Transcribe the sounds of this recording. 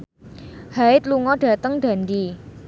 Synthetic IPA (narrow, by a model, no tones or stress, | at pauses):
haɪt̪̚luŋɔɖ̥ä̤t̪əŋɖ̥a̤ndi